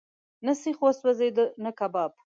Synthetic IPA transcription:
nəsixoswazed̪ənəkabɑb̚

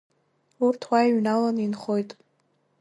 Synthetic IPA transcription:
urtʰwaiɥnalaninχojtʼ

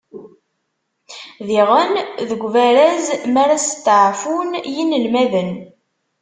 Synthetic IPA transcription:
ðiʁənðəɡʷvæɾæzmæɾæst̪ːʕfunjinəlmæðən

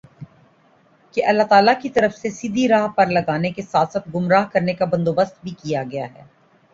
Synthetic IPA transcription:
keʔɐlːaɦt̪aːlakit̪ɐɾəfsesid̪ʱiɾaːɦpɐɾlɐɡaːnekesaːt̪saːt̪ɡʊmɾaːɦkɐɾnekabɐ̃nd̪oːbəst̪̚bʱikijaɡɐjaɦɛ̰ː

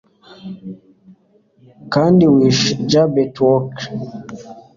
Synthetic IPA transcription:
kandiwiʃd͡ʒabɛtwɔk

